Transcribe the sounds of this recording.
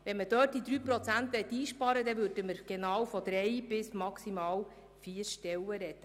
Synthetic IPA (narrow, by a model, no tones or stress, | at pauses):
ʋɛnməd̥øːt̚d̥id̪ɾyːpɾɔt͡sænt̪ʋɛt̪ːiːʃpɑɾədɛvɵɾdəməɾɡ̥enɑːwfɔd̪ɾɛjb̥ɪsmɑksimɑːw | fiːəɾʃtɛwəɾɛt̪ːə